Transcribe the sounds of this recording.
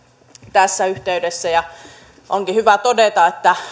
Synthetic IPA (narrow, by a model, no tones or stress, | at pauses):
t̪æsːæyht̪eydesːæjɑ | ʔoŋkihyʋæt̪odet̪ɑet̪ːæ